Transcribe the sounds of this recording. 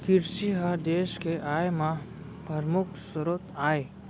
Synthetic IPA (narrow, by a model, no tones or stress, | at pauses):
kɪɾʃiɦad̪eːʃkeʔaːjmã | pɐɾmʊkʰsʊɾoːt̪aːe